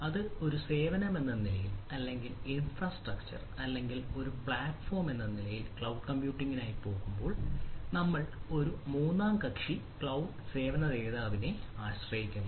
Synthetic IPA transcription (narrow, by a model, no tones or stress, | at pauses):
ɐðɨo̞ɾuse̞ːʋɐnɐme̞nːɐnilɐjilɐlːe̞ŋɡilinfrɐsʈrɐkt͡ɕɐ̰rɐlːe̞ŋɡilo̞ɾupɭaːʈfo̞ːrme̞nːɐnilɐjilkɭɐwɖkɐmpjuːʈːiŋɡinaːjipo̞ːɣumbo̞ːɭnɐmːɐɭo̞ɾumuːnːaːmkɐkʂikɭɐwɖse̞ːʋɐnɐðeːðaːʋineaːɕrɐjikʲːum